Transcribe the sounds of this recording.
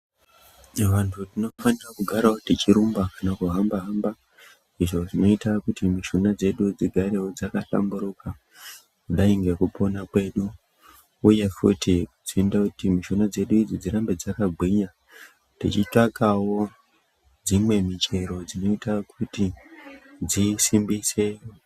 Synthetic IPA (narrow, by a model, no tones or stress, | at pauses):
ʋantʰutino̞fanirakuɡʱaɾaotit͡ʃiɾumbakanakuɦambaɦamba | iʐo̞ʐino̞itakutimiʃonad͡ze̞ɗud͡ziɡʱaɾe̞wod͡zakaɬa̰mbuɾuka | kuɗaiŋɡe̞kupʰo̞nakwe̞ɗuː | je̞fṵtikut͡siendakutimiʃonad͡ze̞ɗuid͡zid͡ziɾambe̞d͡zakaɡʱwiɲa | tit͡ʃitakawo̞ | d͡zimwe̞mit͡ʃe̞ɾo̞d͡zino̞itakʰuti | d͡zisimbise̞